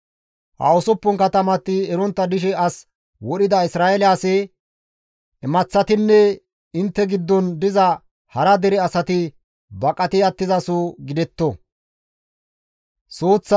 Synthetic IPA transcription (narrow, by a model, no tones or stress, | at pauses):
hɐ̰ɔsɔpːʊŋkɐt̪ɐmɐt̪ːɪɛɾɔnt̪ːɐd̪ɪʃ̬ɛɐs | wɔɗɪd̪ɐɪsɾaːɛlɪasɛ | ɛmɐt͡sːɐt̪ɪnːɛ | ɪnt̪ːɛɡɪd̪ːɔnd̪ɪzɐ | hɐɾɐd̪ɛɾɛɐsɐt̪ɪ | bɐkʼːɐt̪ɪɐt̪ːɪzɐsuɡɪd̪ɛt̪ːɔ | soːt͡sː